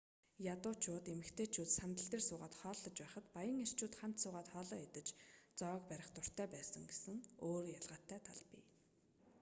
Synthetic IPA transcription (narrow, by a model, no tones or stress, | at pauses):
jat̪ʊːt͡ɕʰʊːt̪emɘ̆kt̪ʰeːt͡ɕʰuːt̪sant̪ə̆ɬt̪eːrsʊːʁaːt̪χɔːɮːɞ̆t͡ɕpæːχə̆t̪pajə̆ŋer̥t͡ɕʊːt̪χam̥t̪sʊːʁaːt̪χɔːɮɔːat̪ə̆t͡ɕt͡sɔːkpæɾʲɪ̆χt̪ʊr̥t̪æːpæːsə̆ŋɡesɘ̆ŋoːrjaɮʁaːt̪ʰːæːt̪ʰaɮpḭ